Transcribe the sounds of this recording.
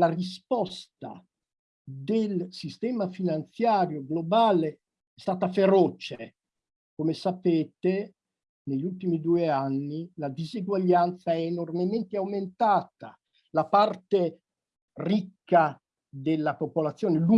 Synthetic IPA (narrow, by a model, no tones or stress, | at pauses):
larispɔst̪a̰ | d̪elsist̪ɛːmafinant̪sjaːɾjoɡlobaːle | ɛst̪aːt̪afeɾoːt͡ʃe | komesapeːt̪e | neʎːult̪imid̪uːeanːilad̪iziɡwaʎːant̪saɛːnormement̪eawment̪aːt̪a | lapart̪e | rikːa | d̪elːapopolat̪sːjoːnelu